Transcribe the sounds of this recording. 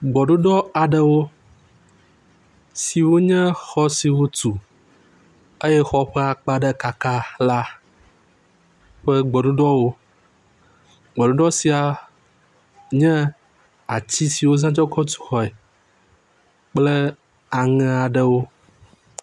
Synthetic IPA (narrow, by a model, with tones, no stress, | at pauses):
ɡ͡bɔ˨ɖu˦ɖɔ˦a˨ɖə˨wo˦ | si˨wo˦ɲɛ̃˦xɔ˦si˨wo˦t̪u˨ | ə˦jɛ˦xɔ˦ɸɛ˦a˨k͡pa˨ɖə˦ka˦ka˦la˦ | ɸə˦ɡ͡bɔ˨ɖu˦ɖɔ˦wo˦ | ɡ͡bɔ˨ɖu˦ɖɔ˦si˨a˨ | ɲɛ̃˦ | a˨t͡ɕi˦si˨wo˦zã˦d͡ʒɔ˦kɔ˦t̪u̥˦˨xɔ˨ɛ˨ | k͡plə˦ | a˨ŋɛ̃˨a˨ɖə˨wo˦